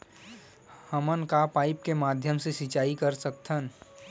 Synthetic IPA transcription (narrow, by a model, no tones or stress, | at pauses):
həmənkapaːɪp̚kemaːd̪ʱjəmsesɪt͡ʃaːikəɾsək̚t̪ʰən